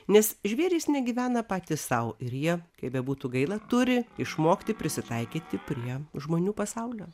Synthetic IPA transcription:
nʲɛsʒʲʋʲeːɾʲiːsnʲɛɡʲiːʋʲæːnɐpɑːt̪ʲissɐʊɪɾjiɛkɐɪbʲɛbuːt̪uɡɐɪlˠɐt̪ʊɾʲɪɪʃmoːkʲt̪ʲɪpʲɾʲɪsʲɪt̪ɐɪkʲiːt̪ʲɪpʲɾʲiɛʒmoːnʲuːpɐsɐʊlʲoː

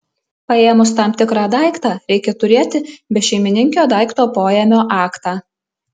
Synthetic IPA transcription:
pɐeːmʊst̪ɑːmt̪ʲɪkɾɑːd̪ɑˑɪkt̪ɑːɾʲɛɪkʲɛt̪ʊɾʲeːt̪ʲɪbʲɛʃʲɛɪmʲɪnʲɪŋʲkʲoːd̪ɑˑɪkt̪oːpoːjɛmʲoːʔɑːkt̪ɑː

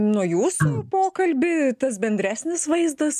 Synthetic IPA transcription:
nuɔjuːssʊpoːkɐlʲbʲɪt̪ɐs̬bʲɛnʲd̪ʲɾʲæːsʲnʲɪsʋɐɪzd̪ɐs

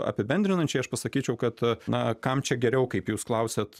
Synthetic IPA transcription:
ɐ̰pʲɪbʲɛnʲd̪ʲɾʲɪnɐnʲt͡ʃʲɛɪɐʃpɐsɐkʲiːt͡ʃʲɛʊkɐt̪nɐkɐmt͡ʃʲɛɡʲɛɾʲɛʊkɐɪpjuːsklˠɐʊsʲet̪

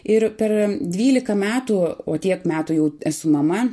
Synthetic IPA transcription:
ɪɾpʲɛrd̪ʲʋʲiːlʲɪkɐmʲæːt̪uoːt̪ʲiɛkmʲæːt̪ujɛʊæsʊmɐmɐ

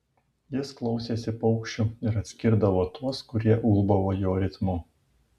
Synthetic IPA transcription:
jɪsklˠɒʊsʲeːsʲɪpɔʊkʃʲt͡ʃʲuɪɾɐt̪ʲsʲkʲɪɾd̪ɐʋoːt̪uɔskʊɾʲiɛʔulˠbɐʋoːjoːɾʲɪt̪mʊ

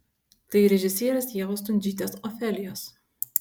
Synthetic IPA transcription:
t̪ɐɪɾʲɛʒʲɪsʲiːɾʲɛsjeːɣoːst̪ʊnʲd͡ʒʲiːt̪ʲesɔfʲɛːlʲɪjoːs

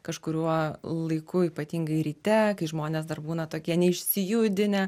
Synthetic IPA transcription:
kɐʃkʊɾʲuɔlˠɐɪkʊiːpɐt̪ʲiːŋɡɐɪɾʲiːt̪ʲɛkɐɪʒmoːnʲɛːs̬d̪ɐrbuːnɐt̪oːkʲiɛnʲɛɪʃʲsʲɪjʊd̪ʲɪnʲɛ

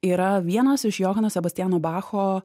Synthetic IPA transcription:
iːɾɐʋʲiɛnɐsɪʃjoːɦɐnɐsʲɛbɐsʲt̪ʲɪjæːnoːbɑːxoː

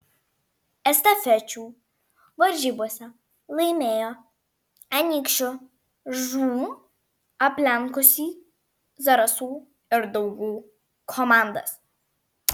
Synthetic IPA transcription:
ɛst̪ɐfʲɛt͡ʃʲuː | ʋɐɾʲʒʲiːbuɔsʲɛ | lˠɐɪmʲeːjoː | ɐnʲikʃʲʊ | ʒunu | ɐpʲlʲɛŋkʊsʲiː | zɐɾɐsuː | ɪɾd̪ɔʊɡuː | kʰɔmaˑnd̪ɐ̰s

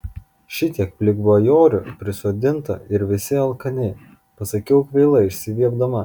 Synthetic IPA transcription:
ʃʲɪt̪ʲiɛk̚pʲlʲɪɡʋojoːɾʲʊpʲɾʲɪsoːd̪ʲɪnt̪ɐ̰ɪɾʋʲɪsʲɪɐlˠkɐnʲɛ | pɐsɐkʲɛʊkʋʲɛɪlˠɐɪʃʲsʲɪʋʲiɛɡd̪ɐmɐ

